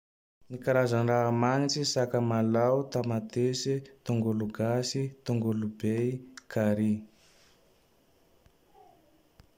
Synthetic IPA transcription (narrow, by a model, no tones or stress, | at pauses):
nikaɾazaɳɖ͡ʐamaŋit͡sisakəmalawt̪amat̪esit̪uŋɡuluɡasit̪uŋɡulubeikʰaɾi